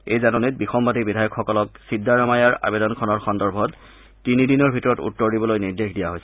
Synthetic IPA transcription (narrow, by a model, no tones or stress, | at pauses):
ejzanɔnit̚bixɔmbadibidʱajɔkxɔkɔlɔk̚sidːaɹamajaɹa̰bedɔnkʰɔnɔɹxɔndɔɹbʱɔt | tinidinɔɹbʱitɔɹɔtṵtːɔɹdibɔlojniɹdexdijaɦojs